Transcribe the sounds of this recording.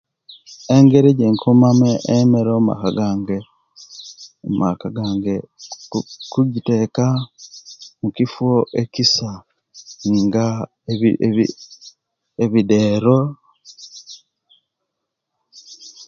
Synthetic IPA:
eŋɡe̞ɾeɟeŋkʰomameʔːmeɾoma̰kaɡaːŋɡe | ma̰kaɡaːŋɡe | kuɟite̞ːka | mucifwoʔecisa | ŋɡa | i | eβide̞ːɾo

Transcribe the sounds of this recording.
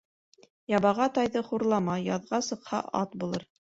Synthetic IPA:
jɑβɑʁɑt̪ɑjðɤχuɾlˠɑmɑjɑðʁɑsɤ̆qhɑ̰ʔɑt̪bulˠɤɾ

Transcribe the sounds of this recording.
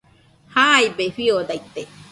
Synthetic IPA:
hajbefiod̪ajt̪ːe

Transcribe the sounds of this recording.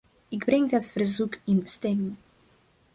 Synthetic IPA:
ɪɡbrɛŋdətfərzukɪnəstɛmɪŋ

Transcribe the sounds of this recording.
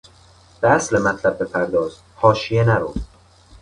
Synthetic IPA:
b̥eæslemæt̪ʰlæb̚ːe̞pʰæɾd̪ɒːzhɒːʃijenæɾoː

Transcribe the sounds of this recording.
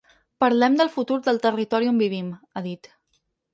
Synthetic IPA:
pəɾlɛmd̪əlˠfut̪uɾd̪əlˠt̪ərit̪ɔɾiombiβimaðit̪

